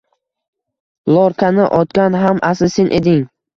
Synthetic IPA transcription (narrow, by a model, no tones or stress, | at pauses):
lˠɒɾkʰanɪʔɒt̪kʲanɦamʔasɪsenʔed̪ɪŋ